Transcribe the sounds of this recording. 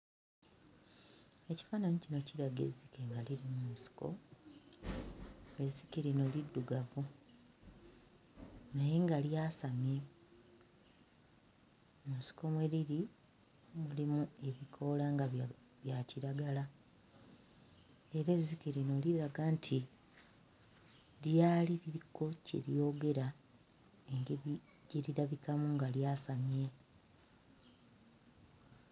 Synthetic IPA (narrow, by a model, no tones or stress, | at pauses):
eci̥faːnaɲicino̞ciɾaɡe̞̰zːike̞ŋɡaliɾimusi̥ko̞̰ | e̞zːikiɾino̞lidːuɡavu | naje̞ŋɡaljasamje̞ | musi̥ko̞mwe̞ɾiɾi | mulimue̞βikʰo̞laŋɡa | βjaciɾaɡala | eɾezikeɾinoliɾaɡaːntʰi | ɾjaːliɾiiko̞cḛɾjo̞ɡe̞ɾa | eŋɡeɾi | ɟeɾiɾaβikamuŋɡaljaːsamje̞